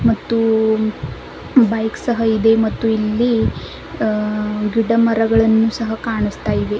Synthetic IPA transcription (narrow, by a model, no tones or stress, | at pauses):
mɐt̪ːu | bɐjksɐɦɐid̪e̞mɐt̪ːuilːi | ɡiɖɐmɐɾɐɡɐɭɐnːusɐɦɐkaːɳust̪aːjiʋe